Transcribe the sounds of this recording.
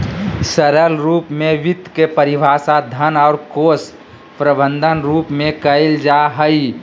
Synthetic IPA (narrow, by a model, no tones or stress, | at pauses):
səɾəlɾuːpmẽʋɪt̪kepəɾɪbʱaːsad̪ʱənɔːɾkoːs | pɾəbə̃nd̪ʱənɾuːpmẽkəld͡ʒaɦəi